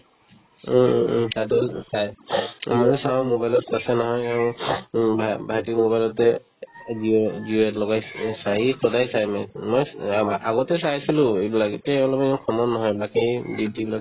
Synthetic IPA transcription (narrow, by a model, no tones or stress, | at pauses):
tatusajmanɛsawmobajlɔtasɛnɔɦɔjaʊ̃bʱabʱaɦitimobajlɔtɛ | ziziɛtlɔɡajsaɦisɔdajsajmamɔjaɡɔtɛsaɦisilʊ̃ebilaɡtɛɔlɔbɛkʰɔmɔnnːɔɦɔjbakiditibilaɡ